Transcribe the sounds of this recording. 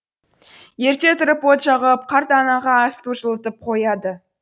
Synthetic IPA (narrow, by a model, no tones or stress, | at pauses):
je̞ɾt̪e̞t̪ɾəpot̪ʒɑʁəp̚qʰɑɾt̪ɑnɑʁɑːst̪uʒəlˠət̪əp̚qʰo̞jɑd̪ə